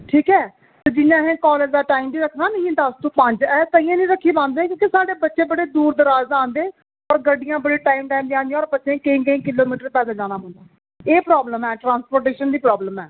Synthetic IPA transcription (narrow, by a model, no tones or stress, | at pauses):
ʈʰiːkɛː | t̪ed͡ʒɪjãːɦẽːkɔːləd͡ʒd̪aːʈaːimbiːɾəkʰnaːnə̃ĩd̪ast̪ũːpə̃ɲd͡ʒɛːt̪ãɪjãːnĩːɾəkʰːiːbãːnd̪eːkjõːkesaːɽeːbətːʃẽːbəɽeːd̪uːɾd̪əɾaːzãːnd̪eː | ɔːɾɡəɖɪjãːbəɽeːʈaːimʈaːimd̪iãːnd̪ijãɔːɾpəsẽːkəĩːkəĩːkɪloːmiːʈəɾpɛːd̪aːd͡ʒaːnaːɦʊ̃nd̪aː | eːpɾaːbləmɛːʈɾãːnspoːɾʈeːʃənd̪iːpɾɔːbləmɛː